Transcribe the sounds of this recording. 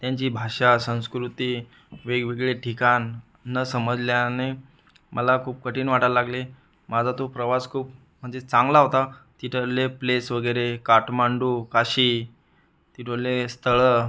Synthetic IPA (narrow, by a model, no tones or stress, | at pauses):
t̪jãɲt͡ɕiːbʱaɕasə̃w̃skɾut̪i | ʋeɡʋeɡɭeʈʰikanː | əsəməd͡zljane | mʔəlakʰuːp̚kəʈiːnʋaʈəlaɡle | mad͡zʱat̪opɾəʋaskʰuːp | m̤əɳd͡zet͡sãŋɡlaɦot̪at̪iʈʰəleplesʋəɡəjɾekaʈmaɳɖuːkaɕiː | t̪iʈʰəɭlest̪ʰəɭə